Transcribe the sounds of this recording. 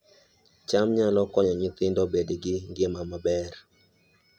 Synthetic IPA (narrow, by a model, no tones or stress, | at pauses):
t͡ʃamɲalɔkɔɲɔɲɪt̪ɪndɔbedeɡɪŋɡɪmamabɛr